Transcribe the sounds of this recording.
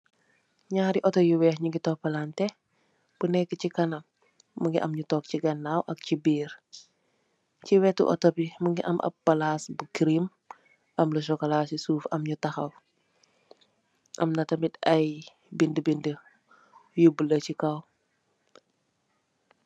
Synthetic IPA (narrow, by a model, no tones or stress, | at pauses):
ɲaːɾiʔɔtɔjuwɛhɲuɡitɔpːɐlaːntɛ | b̥unɛkːəcikɐnɐ | məŋɡiʔɐmɲutɔːk̚ciɡɐnːaːwʔɐk̚cibiːɾ | ciwɛtːṵʔɔ̰tɔpiməŋɡiʔɐ̰mʔɐ̰p̚ːɐlasbukɾim | ʔɐmlɐʃ̬ɔkɔlaːsisuːfɐmɲutɐxɐw | ʔɐ̰mnɐtɐmitɐj | bindəbində | jubələcikɐw